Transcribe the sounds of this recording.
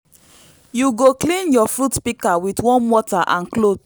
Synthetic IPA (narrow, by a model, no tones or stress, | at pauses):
juɡoklĩnjɔfutpikawitwɔ̃nwɔtaʔãnklot